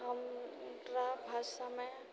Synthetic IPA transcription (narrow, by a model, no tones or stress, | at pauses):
ɦəmɾabʱaːsamẽ